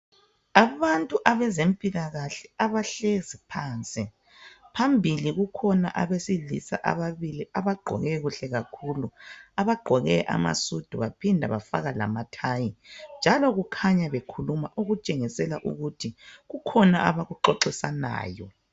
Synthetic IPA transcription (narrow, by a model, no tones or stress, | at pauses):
aβantʼuʔaβɛzempʼilaɣaɬɛaβaɬezipʰaːnt͡sʼi | pʰambʱiliɣukʰɔna̰ʔaβesilḭsa̰ʔa̰βaβiliaβaɡ͡ǃʱɔ̰ɣɛɣuɬɛɣakʰuluaβaɡ͡ǃʱɔɣɛʔa̰ma̰sud̥ʱuβapʰindʱa̰βafaɣala̰matʰajind͡ʒʱalɔɣukʰaɲaβekʰulumaʔuɣut͡ʃʼeŋisɛlaʔṵɣutʰiɣukʰɔnaʔaβaɣuǃɔǃisana̰ːjɔ̰